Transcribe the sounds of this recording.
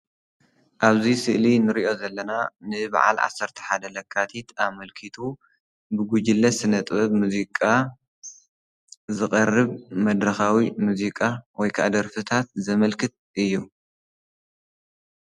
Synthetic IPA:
ʔaβzisɨʔlinɨɾiʔo̞zɐlːɐnanɨba̰ʕa̰lʕa̰sːɐɾt̪ʰɐ̥ħad̪ɐlɐkʰːat̪ʰit̪amɐlkʰit̪ʰu | bɨɡud͡ʒɪlːɐsɨnɐt̪ʼβɨβmuzikʼa | zɨχʼɐrɨβmɐd̪ɾɐxawimuzikʼawɔjkʰa̰d̪ɐɾfɨt̪ʰat̪̚zɐmɐlkʰɨt̪̚ʔɨjːu

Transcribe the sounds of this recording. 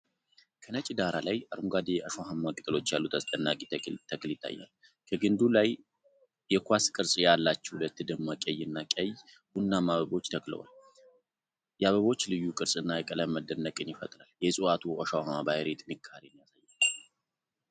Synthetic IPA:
kʰənət͡ʃʼid̪aɾalajʔaɾmuɡad̪ejɛʔəʃawahamːakʼɨt̪ʼɨlo̞t͡ʃːjalːut̪ʰːəsʼt̪ʼənːakʼit̪ʰəkljɪt̪ʰːa̰jːa̰l | kʰəɡɨnd̪ulaj | jɛkʰʷaskʼɨɾsʼjalːat͡ʃːɛ̥hulət̪ːɨd̪ɨmːakʼɛjːɨnːakʼɛj | bunːamaβəβo̞t͡ʃːt̪ʰəklə̰wa̰l | jɛaβəβo̞t͡ʃːlɨjːukʼɨɾsʼɨnːajɛkʼələməd̪ənːəkʼɨnjɪfə̰t̪ʼɾaljɛsʼuat̪ʰuʔəʃawhamːabajɾet̪mɨkʰːaɾenjasajː

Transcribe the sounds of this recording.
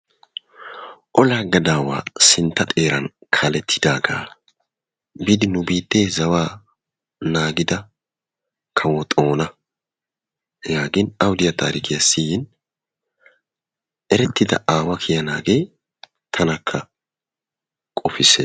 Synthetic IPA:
ʔɔlaɡɐd̪aːwa̰ːsɪnt̪ːɐt̪ʼe̞ːɾɐ̰nkʰɐlɛt̪ʰːɪ̥d̪aːɡa̰ː | bɪd̪ɪnʊbiːt̪ːeːzɐwaː | naːɡɪd̪ɐ | kʰɐwɔt̪ʼo̞ːnɐ | jaːɡɪnɐwʊd̪ɪjɐt̪ʰa̰ːɾɪkɪjɐsːɪjɪn | ʔɛɾɛt̪ːɪd̪ɐ̰ʔaːwɐkʰɪjɐna̰ːɡeː | t̪ʰɐnɐkʰːɐ | kʼɔfɪsɛ

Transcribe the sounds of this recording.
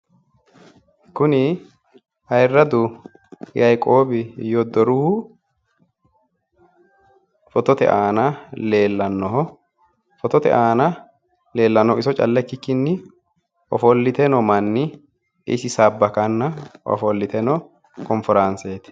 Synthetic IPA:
kʊnɪ | hɐjrːɐd̪ʊ | jɐjkʼo̞ːbɪjɔd̪ɔɾʊhʊ | fɔt̪ɔt̪ɛ̰ʔaːnɐleːlːɐnːɔɦɔ | fɔt̪ɔt̪ɛ̰ʔaːnɐ | le̞ːlːɐnːɔɪsɔt͡ʃʼɐ̰lːɛkːɪkːɪnːɪ | ʔɔ̰fɔlːɪt̪ɛnɔmɐnːɪ | ɪ̰sɪsaːbːɐkɐnːɐwɔ̰fɔlːɪt̪ɛnɔ | kɔnfɪɾanseːt̪

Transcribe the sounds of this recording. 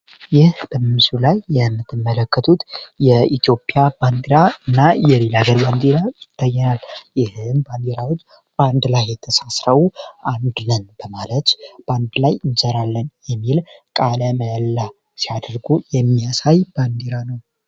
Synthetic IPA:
jɪhb̥əmmsulajːɛmːɨt̪ʰːɨmːələkːət̪ʰut̪jɛit̪jo̞pʼjaband̪eɾaɨnːajɛlelaɡəɾband̪eɾajɪt̪ʰːajːɛnaljɪhɨmband̪eɾawo̞t͡ʃː | b̥and̪lajːɛt̪ʰəsasɾəwuʔand̪nənb̥əmalət̪b̥and̪lajɨnsəɾalːənjɛmːilkʼaləməjəlːa | sijad̪ɾɡujɛmːiasajband̪eɾanəw

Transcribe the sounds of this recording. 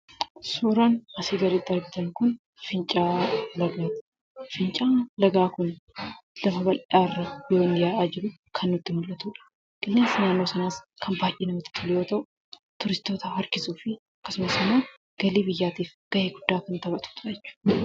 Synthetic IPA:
suːɾɐnɐsiːɡɐɾɪd̪ɐɾɡɪt̪ɐnkʊn | fɪnt͡ʃʼaːlɐɡaːt̪ | fɪnt͡ʃʼaːlɐɡaːkʊnlɐfɐβɐlʔaːrːɐbɪjoːnɪjaːʔaːd͡ʒɪɾʊ | kʰɐnːʊt̪ːɪmʊlːɐt̪uːᶑɐ̥ | ɡ̥ɪlːeːnsnaːnːoːsɐnaːskʰɐnbaːʔiːnɐmɪt̪ːɪ̥t̪ʰʊlɪjoːt̪ɐʔʊ | t̪ʊɾɪst̪o̞ːt̪ɐhɐɾkɪsuːfɪ | ɐkːɐsʊmɐsɐnan | ɡ̥ɐliːbɪjːaːt̪iːfɡ̥ɐʔeːɡʊd̪ːaːkʊnt̪ɐβɐt̪u̥ːt̪ʼɐɛt͡ʃːʊ̥

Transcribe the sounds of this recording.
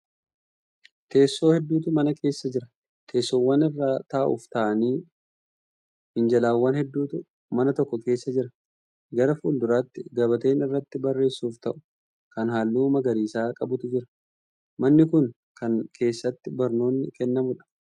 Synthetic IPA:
t̪e̞ːsːo̞ːhɛd̪ːuːt̪ʊmɐnɐkʰe̞ːsːɐd͡ʒɪɾɐ | t̪ʰe̞ːsːowːɐnɪrːaːt̪aːʔʊ̰ft̪aːʔɐniː | mɪnd͡ʒɐlaːwːɐnhɛd̪ːuːt̪ʊ | mɐnɐt̪ɔkːɔke̞ːsːɐd͡ʒɪɾɐ | ɡɐɾɐfuːld̪ʊɾaːt̪ːɪɡɐbɐt̪e̞ːnɪrːɐt̪ːɪbɐrːe̞ːsːuːft̪ɐʔʊ̥ | kɐnhaːlːuːmɐɡɐɾiːsaːkʼɐbʊt̪ʊd͡ʒɪɾɐ̥ | mɐnːɪkʊn | kɐnkʰe̞ːsːɐt̪ːɪbɐɾno̞ːnːɪkɛnːɐmʊᶑɐ̥

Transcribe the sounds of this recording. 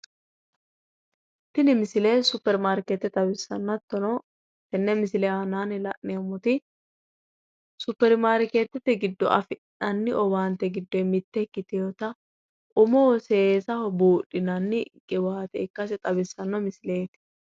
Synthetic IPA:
t̪ːɪnɪmɪsɪlesʊpːɛɾmaːɾket̪ːɛt̪ʼɐbɪsːɐnːɐt̪ːɔnɔ | t̪ɛnːɛmɪsɪlɛanaːnɪlɐʔneːmɔt̪ɪ | sʊpːɛɾmaːɾket̪ːɛt̪ːɛɡɪd̪ːɔʔɐfɪʔɐnːɪʔɔwaːnt̪ːɛɡɪd̪ːɔmɪt̪ːɛkːɪt̪ɪjɔt̪ɐ | ʔʊmɔɔsesɐhɔbuːɗɪnɐnːɪkʼɪwaːt̪ɛɪkːɐsɛt̪ʼɐbɪsːɐnːɔmɪsɪleːt̪ɪ̥

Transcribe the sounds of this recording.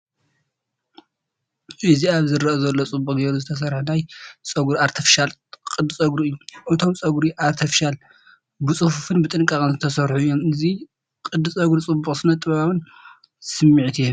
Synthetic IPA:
ʔɨziaβzɨɾɐʔɐzɐlːot͡sʼɨbukʼɡeɾuzɨt̪ʰɐs̬ɐɾħunajt͡sʼɐɡuɾiaɾt̪ʰɐfʃalkʼɨd̪ːɨsʼɐɡɾuɨjːuʔɨt̪ʰo̞mt͡sʼɐɡɾiʔaɾt̪ʰɐfʃal | bɨt͡sʼɨfufɨnbɨt̪ʼɨŋkʼakʼɨnzɨt̪ʰɐsɐɾħuɨjːo̞mɨzi | kʼɨd̪ːɨsʼɐɡɾut͡sʼɨbːuχʼsɨnɐt̪ʼɨβaβɨn | sɨmːiʕt̪ʰijom

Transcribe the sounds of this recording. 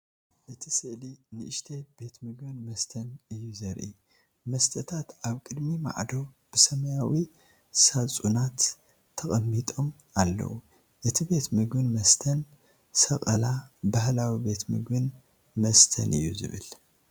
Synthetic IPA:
ʔɨt̪ʰisɨʔlinɨʔɨʃt̪ʰeb̥e̞t̪mɨɡbɨnmɐst̪ʰɐnɨjːuzɐɾʔḭ | mɐst̪ʰɐt̪ʰat̪aβkʼɨd̪mima̰ʕd̪o | b̥ɨsɐmɐjawi | sat͡sʼunat̪ʰː | ɐχʼɐmːit̪ʼo̞m | alːɐ̰wu | ʔɨt̪ʰibe̞t̪mɨɡbɨnmɐst̪ʰɐn | sɐkʼɐlabahlawibe̞t̪mɨ̰ɡbɨn | mɐst̪ʰɐ̰nʔɨ̰jːuzɨ̰βɨ̰l

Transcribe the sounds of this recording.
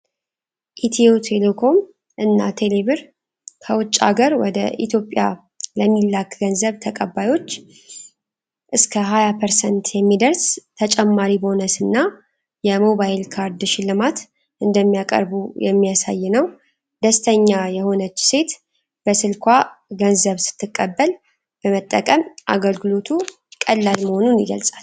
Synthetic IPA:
ʔit̪ʰiot̪ʰe̞lekʰo̞m | ʔɨnːat̪ʰe̞le̞βɨɾ | kʰəwʊt͡ʃʼːa̰ɡəɾwɔd̪ə̰ʔḭt̪ʰjo̞pʼːja̰ | ləmːilːakɡənzəβt̪ʰəkʼəbːajo̞t͡ʃː | ʔɨskʰəɦajapʰəɾsənt̪jɛmːid̪əɾst̪ʰət͡ʃʼɛmːaɾibonəsɨnːa | jɛmo̞βajɪlkʰaɾd̪ʃɪlːɨmat̪ | ʔɨnd̪əmːijakʼə̰ɾbujɛ̰mːijasa̰jːɪnəw | d̪əst̪ʰəɲːajɛho̞nət͡ʃːse̞t̪ | b̥əsɨlkʰʷaɡənzəβsɨ̥t̪ʰːɨkʼːəbːəl | b̥əmət̪ʼːəkʼəmʔa̰ɡəlɡɨlo̞t̪ʰu | kʼəlːalməho̞nunjɪɡə̰lsʼḁl

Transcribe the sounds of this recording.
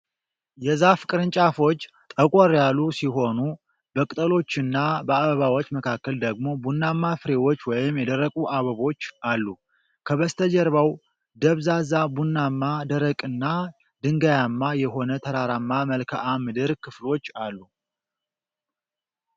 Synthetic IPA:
jɛzafɨkʼɨɾɨnt͡ʃʼafo̞t͡ʃː | t̪ʼəkʼoɾjalːusiɦo̞nu | bəkʼt̪ʼəlo̞t͡ʃːɨnːabəaβəβawot͡ʃːməkʰakːəld̪əɡmo̞bunːamːafɨɾe̞wo̞t͡ʃːwɔjɪmjɛd̪əɾːəkʼuʔaβəβo̞t͡ʃːʔalːu | kʰəβəst̪ʰəd͡ʒɛɾβaw | d̪əβzazabunːamːad̪əɾəkʼɨnːa | d̪ɨŋɡajamːajɛɦo̞nət̪ʰəɾaɾamːaməlkʰaʔamɨd̪ɨɾkʰɨflo̞t͡ʃːalːu

